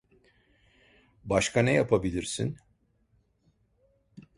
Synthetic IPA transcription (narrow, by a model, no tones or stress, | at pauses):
baʃkʰanɛjapʰabilʲiɾsḭn